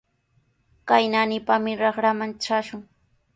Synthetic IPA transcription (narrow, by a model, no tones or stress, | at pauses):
kajnanɪpamɪɾɑχɾamanʈ͡ʂaʃʊŋ